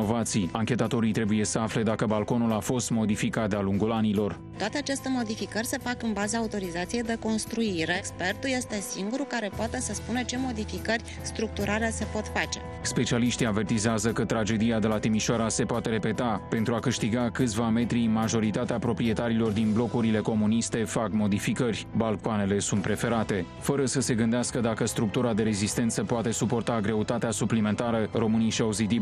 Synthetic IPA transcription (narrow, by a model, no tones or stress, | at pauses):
o̞vat̪sijaŋkʲe̞t̪at̪o̞ɾit̪ɾe̞buje̞səafle̞d̪akəbalko̞nulafo̞st̪mo̞d̪ifikat̪̚d̪aluŋɡulanilo̞r | t̪oat̪e̞at͡ʃest̪e̞mo̞d̪ifikərʲse̞fakɨnbazəːut̪o̞ɾizat̪sije̞jd̪e̞ko̞nst̪ɾuiɾe̞kspe̞rt̪ulje̞st̪e̞siŋɡuɾukaɾe̞poat̪e̞səspunət͡ʃe̞mo̞d̪ifikərʲ | st̪ɾuk̚t̪uɾʔalese̞po̞t̪fat͡ʃe̞ | spe̞t͡ʃialiʃt̪iave̞rt̪izeazəkət̪ɾad͡ʒe̞d̪ijad̪e̞lat̪imiʃoaɾase̞poat̪e̞ɾe̞pe̞t̪ape̞nt̪ɾuakɨʃt̪iɡakɨt̪sʲvame̞t̪ɾinmaʒo̞ɾit̪at̪eapɾo̞pɾie̞t̪aɾilo̞rd̪inblo̞kuɾile̞ko̞munist̪e̞fakmo̞d̪ifikərʲbalkoane̞le̞sunt̪̚pɾe̞fe̞ɾat̪e̞ | fəɾəsəse̞ɡɨnd̪easkəd̪akəst̪ɾuk̚t̪uɾad̪e̞ɾe̞zist̪e̞nt̪səpoat̪e̞supo̞rt̪aɡɾe̞ut̪at̪easuplime̞nt̪aɾəɾo̞mɨnijʃiawzit̪ib